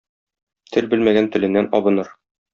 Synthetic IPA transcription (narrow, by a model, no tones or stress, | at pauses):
t̪ʰɘlbɘlmæɡænt̪ɘ̆lɘ̆nːænɒbɤ̆nɤɾ